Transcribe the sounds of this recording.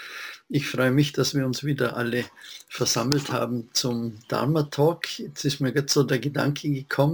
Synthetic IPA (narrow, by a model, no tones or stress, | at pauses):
ɪçfʁɔʏəmɪçd̥asv̥iːɐʊnsv̥iːdɐʔaləfɛɐzaml̩tha̰ːbm̩t͡sʊmd̥a̰mɐtʰɔːkjɛt͡sɪstmiːɐɡatz̥oːdeːɐɡəda̰ŋkʰəɡəkʰɔmə